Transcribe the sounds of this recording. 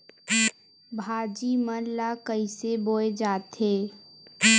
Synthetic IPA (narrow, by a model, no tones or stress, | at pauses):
bʱaːd͡ʒimənlakəiseboːed͡ʒaːt̪eː